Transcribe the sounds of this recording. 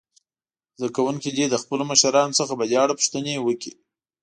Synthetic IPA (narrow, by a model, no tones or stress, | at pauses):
zd̪akawuŋkid̪id̪əxpəloməʃaɾɑnosəxabadɑɽapʂt̪ənewəki